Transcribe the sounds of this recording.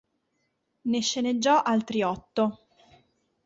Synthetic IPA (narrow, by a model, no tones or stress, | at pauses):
neʃːened͡ʒːɔʔalt̪ɾiɔt̪ːo